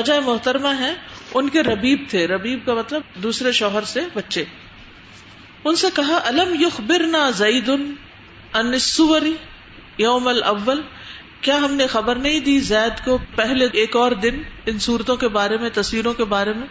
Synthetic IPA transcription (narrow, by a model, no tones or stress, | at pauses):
ɐd͡ʒaːemʊɦt̪əɾmaɦɛ̃ʊnkeɾɐbiːb̚t̪ʰeɾɐbiːb̚kamɐt̪ləb̚d̪uːsɾeʃɔːɦəɾsebɐtːʃe | ʊnsekɐɦaʔɐlɐmjʊxbɪɾnaːzɐːd̪ʊn | ɐnɪsːʊʋəɾi | joːmɐlʔɐʋːəl | kjaːɦɐmnexɐbəɾnɐɦĩd̪iːzɛːd̪kopɛɦleeːkɔːɾd̪ɪnɪnsuːɾt̪õkebaːɾemẽt̪ɐsʋiːɾõkebaːɾemẽː